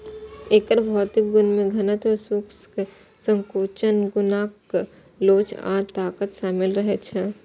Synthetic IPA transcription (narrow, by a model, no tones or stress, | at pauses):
eːkəɾbʱɔːt̪ɪk̚ɡʊnmẽɡʱɐnət̪ʋɐsuks | sə̃ŋkoːt͡ʃənɡʊnaːk | loːt͡ʃa̰ːt̪aːkət̪ʃaːmɪlɾəɦet͡ʃʰɛ